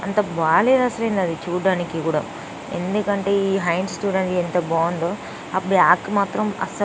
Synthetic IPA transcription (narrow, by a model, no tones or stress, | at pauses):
ɐnt̪ɐbaːleːd̪ɐsɐlend̪ɐd̪it͡ʃuːɖaːnikikuːɽa̰ | end̪ukɐɳʈe̞ːiːɦɐjɳɖsʈjuːɖeɳʈent̪ɐbaːnd̪oː | ɐpːɐɽiaːkːmaːt̪ɾɐmɐ̰sɐ